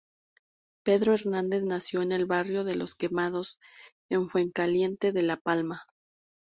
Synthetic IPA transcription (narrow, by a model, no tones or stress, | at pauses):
pe̞ðɾo̞e̞ɾnãnd̪e̞znasjo̞ene̞lβarjo̞ðe̞lo̞ske̞mað̞o̞s | e̞ɱfwe̞ŋkalje̞nt̪e̞ðe̞lapalma